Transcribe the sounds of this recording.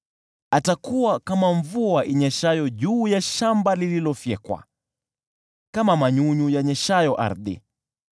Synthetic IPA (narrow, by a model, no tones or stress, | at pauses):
atakuwakamaɱvuaʔiɲɛʃajɔʄuːjaʃambalililɔfjɛkwa̰ | kamamaɲuɲujaɲɛʃajɔʔa̰ɾðḭ